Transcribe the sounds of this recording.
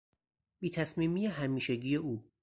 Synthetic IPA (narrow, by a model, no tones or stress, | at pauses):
b̥iːt̪ʰæsmiːmiːjeɦæmiːʃe̞ɟiːje̞uː